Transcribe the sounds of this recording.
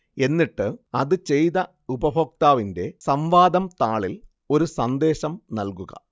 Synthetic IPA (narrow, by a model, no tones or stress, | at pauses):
e̞nːiʈːɨɐðɨt͡ɕe̞jðɐ | ubɐbʱoːk̚t̪aːʋinde̞sɐmʋaːd̪ɐmt̪aːɭil | o̞ɾusɐnd̪e̞ːɕɐmnɐlkuɣɐ̰